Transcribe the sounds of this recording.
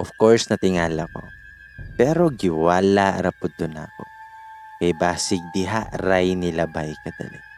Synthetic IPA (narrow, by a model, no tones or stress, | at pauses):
ʔɔfkoɹsnɐt̪ɪŋaːlɐko̞̰ | pɛːɾo̞ɡɪwaːlaɾɐpʊd̪ʊna̰ko̰ | kɐjbaːsɪk̚d̪ɪɦaʔɾajnɪlɐbajkɐd̪ɐ̰lɪ